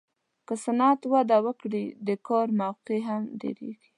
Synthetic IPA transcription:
kəsanɑt̪wad̪awəkɽid̪əkɑɾmawqeɦamɖḛɾḛɡi

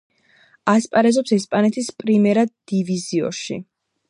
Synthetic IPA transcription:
aspʼaɾɛzɔpsɛspʼanɛt̪ʰispʼɾimɛɾad̪̚ːiviziɔ̰ʃḭ

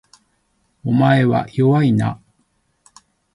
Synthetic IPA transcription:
omae̞βa̰joβaina̰

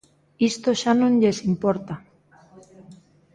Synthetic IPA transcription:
ist̪oʃanonʎesimpoɾt̪a

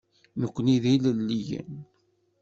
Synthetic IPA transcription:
nəkʷːniðiləlːijə̰n

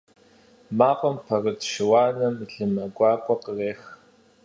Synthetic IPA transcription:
maːqʷʼəmpʰɐrɨtʰʃɪwaːnɐmiɬɨmɐɡʷɑːqʷʼɔqəreːx

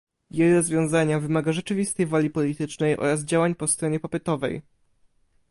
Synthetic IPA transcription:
jejɾɔzvʲjɔ̃w̃zaɲavɘmaɡaʐɛt͡ʂɘvʲist̪ɛjvalʲipɔlʲit̪ɘt͡ʂnɛjʔɔ̰ɾazd͡ʑawaɲpɔst̪ɾɔɲɛpapʲɛt̪ɔvɛ̰j

